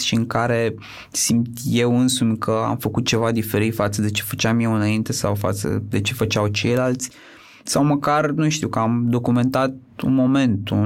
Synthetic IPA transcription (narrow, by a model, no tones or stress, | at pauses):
ʃiɨŋkaɾe̞ | simt̪je̞wɨnsumʲkʰəa̰mfəkut̪̚t͡ʃe̞vad̪ife̞ɾit̪fat̪səd̪e̞t͡ʃe̞̥fət͡ʃamjewɨnaint̪e̞sawfa̰t̪sə̰d̪e̞t͡ʃe̞fət͡ʃawt͡ʃe̞jlalt̪sʲ | sawməkarnuʃt̪iuwkəamd̪o̞kume̞nt̪at̪̚ṵnmo̞me̞nt̪u